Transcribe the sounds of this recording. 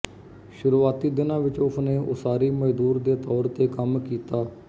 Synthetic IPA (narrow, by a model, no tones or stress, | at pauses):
ʃʊɾuːaːt̪iːd̪ɪnãːʋɪt͡ʃʊsneːʔʊ̰saːɾiːməd͡ʒd̪uːɾd̪eːt̪ɔːɾt̪eːkəmkiːt̪aː